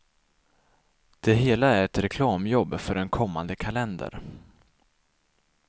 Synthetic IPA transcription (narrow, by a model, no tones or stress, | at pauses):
d̪̥ɛɦeːlaæɾɛt̪ɾɛkʰlɑːmjɔbːfœɖɛnkʰɔmːand̪əkʰalɛnd̪ə̰ɾ